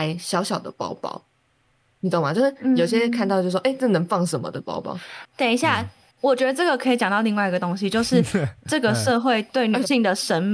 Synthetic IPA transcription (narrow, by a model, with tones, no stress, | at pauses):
ɪɕjɑ˧˥ʊɕjɑ˨˩ʊd̪ə̰˦pɑ̰˥ʊpɑ̰˥˧ʊ | ni˨t͡s̪ma˨˩jo˥˧ʊʂ̩˥˩˧jo˨˩ʊɕjɛ˥˧kʰt̪ɑ˥˧t͡ɕj̩˥˧˥wo˥ʔɪʈ͡ʂɤ˥˩nə˧˦ŋfɑ˥˨ŋʂə˧˦mə̰˧d̪ə˨pɑ̰˥ʊpɑ̰˧˦ʊt̪ja˨˩ŋi˧˦ɕja˥˩ | wɔ˨˩t͡ɕɥɛ˧˥d̪ə˧ʈ͡ʂɤ˥˩ɡə˩kʰə˧˥i˨˩t͡ɕjɑ˨˩ŋt̪li˥˧ŋwa˥˩ɪi˧ɡə˩t̪o˥ŋɕi˧t͡ɕjo˥˧ʊʂɻ̩˥˩ʈ͡ʂɤ˥˩ɡə˩ʂɤ˥˧xwe˥˧ɪt̪we˥˩ɪny˨˩ɕi˥˩ŋd̪ə˩ʂə˧˥nm